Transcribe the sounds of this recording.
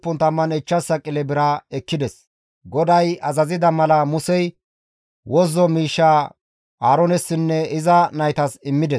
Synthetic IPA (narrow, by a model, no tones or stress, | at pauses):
pːʊnt̪ɐmːɐnɛt͡ʃːɐsːɐkʼɪlɛbɪɾɐɛkːɪd̪ɛs | ɡɔd̪ɐjɐzɐzɪd̪ɐmɐlɐmʊsɛj | wɔzːɔmiːʃːaː | aːɾɔnɛsːɪnːɛɪzɐnɐjt̪ɐsɪmːɪd̪ɛs